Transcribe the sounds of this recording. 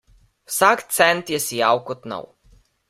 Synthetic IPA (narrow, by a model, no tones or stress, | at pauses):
wsakt̪sɛnt̪jɛsijawkɔt̪na̰w